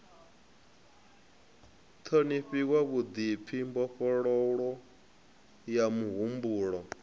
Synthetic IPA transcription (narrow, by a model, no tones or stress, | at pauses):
t̪ʰoniɸikwaβud̪ip̪fʰimbɔɸɔɺɔɺɔ | jamuɦumbuːɺɔ